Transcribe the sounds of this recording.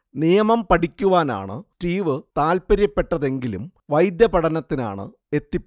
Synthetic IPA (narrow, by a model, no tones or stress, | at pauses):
nijɐmɐmpɐʈikʲːuʋaːna̰ːɳɨ̰ʈiːʋɨt̪aːlpɐɾjɐpːe̞ʈːɐðe̞ŋɡilum | ʋɐjd̪jɐpɐɽɐnɐt̪ːina̰ːɳɨ̰ | e̞t̪ːipː